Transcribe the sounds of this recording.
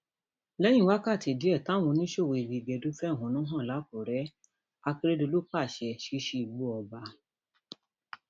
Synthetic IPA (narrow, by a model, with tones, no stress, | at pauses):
lɛ˦j̃ĩ˦˨wa˦ka˦˨ti˨di˨˦ɛ˦˨tã˨˦˨w̃ɔ̃˧nĩ˦ʃo˦˨wo˧i˨bi˨ɡ͡bɛ˨do˨˦fɛ˦˨ɦɔ̃˨˦nũ˨˦ɦã˦˨la˨˦ko˨ɾɛ˨˦ | a˧ke˦ɾe˦do˧lo˦k͡pa˦˨ʃɛ˧ʃi˦ʃi˦˧i˨ɡ͡bu˦ɔ˧ba˧